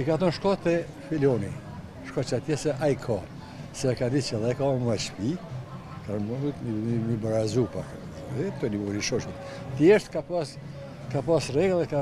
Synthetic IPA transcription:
ɛkaθɔnʃkɔt̪ɛ | filɔni | ʃkɔt͡ʃat̪jɛsɛʔajkʰa | sɛkad̪it͡ʃɛðɛakamat͡ʃfi | kamumibaɾazupa̰ | ɛt̪ɔniɔniʃɔʃɔt̪ | t̪iɛʃt̪kapas | kapasrɛɡɛðɛka

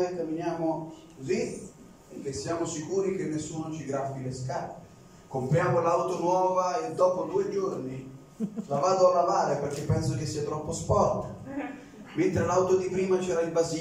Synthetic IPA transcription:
ekamːinjaːmokozi | kːesːjaːmosikuːɾik̟enːesːuːnot͡ʃiɡɾafːileskale | kompɾjaːmolawt̪onwɔːvaed̪ːɔːpod̪uːed͡ʒorni | lavaːd̪oalːavaːɾeperk̟epːɛnsok̟esːiːat̪ɾɔpːospɔrt̪ | ment̪ɾelawt̪od̪ipɾiːmat͡ʃɛːɾailbazi

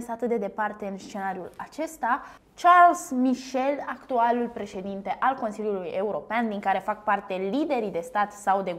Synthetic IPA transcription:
nsəat̪ɨt̪̚d̪ed̪e̞part̪e̞ɨnst͡ʃe̞naɾiulat͡ʃe̞st̪a | t͡ʃarlzmiʃe̞lakt̪ualulpɾe̞ʃe̞d̪int̪e̞ʔalko̞nsiljuluje̞uɾo̞peand̪iŋkaɾe̞fak̚part̪e̞lid̪e̞ɾid̪e̞st̪at̪sawd̪e̞

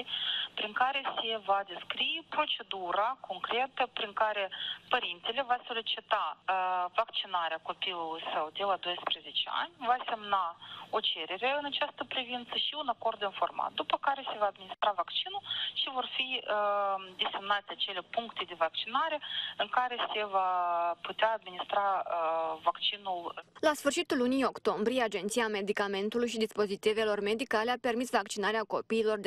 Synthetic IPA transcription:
pɾiŋkaɾe̞se̞vad̪eskɾijpɾo̞t͡ʃe̞d̪uɾakʰo̞ŋkɾe̞t̪əpɾiŋkaɾe̞pəɾint̪elʲe̞vaso̞lʲit͡ʃit̪avakt͡ʃinaɾeako̞pilulˠujsəwd̪e̞lad̪o̞jspɾe̞zet͡ʃea̰nʲvase̞mnaot͡ʃeɾe̞ɾe̞ɨnat͡ʃast̪əpɾivint̪səʃiunako̞rd̪ːinfo̞̰rma̰t̪̚d̪upəkaɾe̞se̞vaːd̪̚minist̪ɾavakt͡ʃinulʃivo̞rfiəd̪ese̞mnat̪ʲeat͡ʃe̞lepuŋkt̪e̞d̪evakt͡ʃinaɾe̞ɨŋkaɾe̞se̞vaput̪eaːd̪minist̪ɾa | vakt͡ʃinullasfɨrʃit̪ulːunijo̞kt̪o̞mbɾijead͡ʒe̞nt̪sijame̞d̪ikame̞nt̪ulujʃ̬id̪ispo̞zit̪ive̞lo̞rme̞d̪ikaleape̞rmisvakt͡ʃinaɾeako̞piːlo̞rd̪

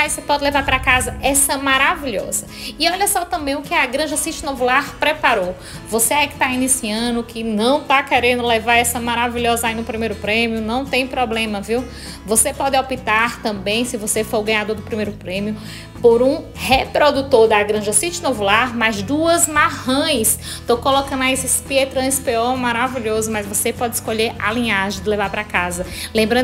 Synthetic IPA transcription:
asepɔd̪ɪlevaɾpɾakazɐɛsɐmaɾaviʎɔ̰zɐɪɔʎɐsɔt̪ɐ̃mbẽj̃ʊkɪaɡɾɐ̃ʒɐsit͡ʃɪnovulaɾpɾɛpaɾow | voseaikɪ̥t̪ainisiɐ̃d̪ʊkʰɪnɐ̃w̃t̪akɛɾẽnd̪ʊlɛvaɾɛsɐmaɾaviʎɔzɐainʊpɾimejɾʊpɾẽmiʊnɐ̃w̃t̪ẽj̃pɾɔblẽmɐviw | vosepɔd̪ɪawpit̪aɾt̪ɐ̃mbẽj̃sɪvosefoɾɡɐ̃ɲ̃ad̪oɾd̪ʊpɾimejɾʊpɾẽmiʊ | poɾũhepɾod̪ut̪oɾd̪aɡɾɐ̃ʒɐsit͡ʃɪnovulaɾmajzd̪uɐzmahɐ̃j̃s | t̪owkolokɐ̃nʊɐesɪspiet̪ɾɐ̃ispeõmaɾaviʎozʊmɐjzvosepɔd͡ʒ̪ɪɪskoʎeɾa̰lĩɲaʒẽj̃d̪ɪlɛvaɾpɾakazɐlẽmbɾɐ̃

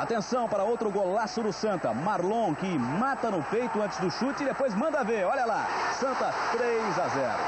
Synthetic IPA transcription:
at̪ẽsɐ̃w̃paɾɐowt̪ɾʊɡolasʊd̪ʊsɐ̃nt̪ɐ̰maɾlõkɪmat̪ɐnʊpejt̪ʊɐ̃nt͡ʃɪ̥zd̪ʊʃut͡ʃɪd̪epojzmɐ̃nd̪ɐveɔʎɐlasɐ̃nt̪ɐt̪ɾejzazɛ̰ɾʊ̰

